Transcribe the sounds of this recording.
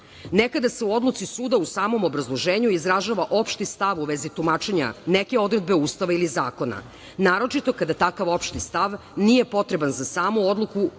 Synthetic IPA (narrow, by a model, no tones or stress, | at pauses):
nekad̪ase̞uo̞d̪lˠut̪sisuːd̪ausaːmo̞mobɾazlˠo̞ʒeːɲuizɾaʒaʋaʔo̞pʃt̪ist̪aʋuʋezit̪umat͡ʃe̞ɲa̰neke̞o̞d̪ɾe̞d̪̚be̞uːst̪aʋailizaːko̞na̰ | naːɾo̞t͡ʃit̪o̞kad̪at̪akaʋo̞pʃt̪ist̪aʋ | nije̞po̞t̪ɾebanzasaːmuod̪lˠuku